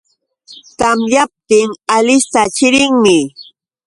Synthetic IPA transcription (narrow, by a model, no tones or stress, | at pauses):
t̪amjap̚t̪ɪŋalɪst̪at͡ʃɪɾɪŋmɪ